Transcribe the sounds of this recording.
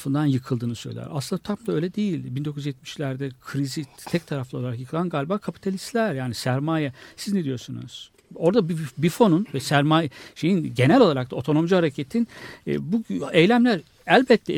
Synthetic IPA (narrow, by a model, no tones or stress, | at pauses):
fɯnd̪anjɯkʰɯlˠd̪ɯːnɯsø̞̰jl̰ʲæ̰ɾʔa̰sɯnd̪at̪ʰamd̪aø̞jlʲɛd̪ejilʲbind̪o̞kʰujyzjɛt̪̚miʃlʲæɾd̪ɛkʰɾizit̪ʰɛc̚t̪ʰaɾaflˠaolˠaɾakjɯkʰɯlˠanɡalʲbaːkʰapʰi̥t̪ʰalʲist̪lʲæɾjaːnisæɾmajɛsiznɛd̪ijo̞ɾsunṵz̥ | o̞ɾd̪abibifo̞nunvɛsæɾmaːjɛʃe̞jinɟe̞nælʲo̞lˠaɾakt̪ʰao̞t̪ʰo̞no̞md͡ʒuhaɾecʰet̪ʰin̰ːbuejlʲæmlʲæɾ | ælʲbɛt̪ʰːɛ